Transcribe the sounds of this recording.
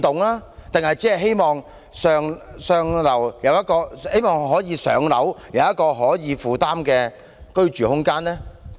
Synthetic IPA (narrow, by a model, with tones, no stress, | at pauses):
t̪ʊ˨ŋlaː˥t̪ɪ˨ŋɦɐ˨jt͡sɛː˥˨ɦe˥jmɔː˨˩ŋ | sœː˨˧ŋsœː˧ŋlɐ˨˩wjɐ˨˧wjɐ˥t̚kɔː˧he˥jmɔː˨˩ŋɦɔː˨˥jiː˨˧sœ̰ː˨˥ŋlɐ̰˨˥wjɐ˨˧wjɐ˥t̚kɔː˧ɦɔː˨˥jiː˨˧fuː˨t̪aː˥mkɛː˧ | kɵ˥ɥt͡ʃyː˨˩hʊ˥ŋkaː˥nlɛː˥